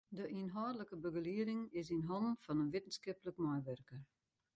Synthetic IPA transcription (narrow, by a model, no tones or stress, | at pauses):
dəinɦɔːdələkəbəɡəliəɾɪŋɪs̬inɦɔnnfɔnənʋɪtn̩skɪpələkmɔjʋørkər